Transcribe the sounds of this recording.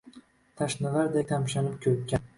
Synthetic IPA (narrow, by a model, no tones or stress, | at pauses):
t̪ʰaʃnɪlaɾd̪ek̚ʲt̪ʰamʃanɪpkʲʰɵkʲːan